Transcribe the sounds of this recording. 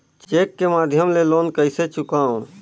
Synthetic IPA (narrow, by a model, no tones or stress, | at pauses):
t͡ʃt͡ʃeːkːemaːd̪ʱjəmleloːnkəɪset͡ʃʊkaːũ